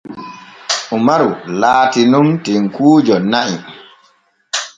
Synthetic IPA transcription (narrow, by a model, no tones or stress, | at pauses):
ʔumaɾulaːtinumtiŋkuːd͡ʒɔnaʔi